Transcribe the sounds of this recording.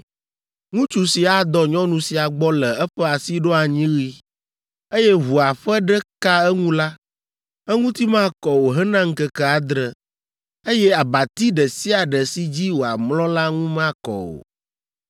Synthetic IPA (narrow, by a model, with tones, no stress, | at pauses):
ŋũ˦t͡ʃu˨si˨a˨d̪ɔ˦ɲɔ̃˦nũ˨si˨a˨ɡ͡bɔ˦lɛ˨ɛ˦ɸɛ˦a˨si˦ɖo˦a˨ɲĩ˦ɣi˦ | e˦jɛ˦βu˨a˨ɸɛ˦ɖɛ˦ka˦ɛ˦ŋũ˦la˦ | ɛ˦ŋũ˦t̪i˦mã˦kɔ˨wo˨ɦə˦nã˦ŋ̩˦kə˦kɛ˦a˨d̪ɾə˦ | e˦jɛ˦a˨ba˨t̪i˦ɖə˨si˦a˨ɖɛ˨si˦d͡ʑi˦wo˨a˨mlɔ̃˦la˦ŋũ˦mã˦kɔ̰˨wo̰˨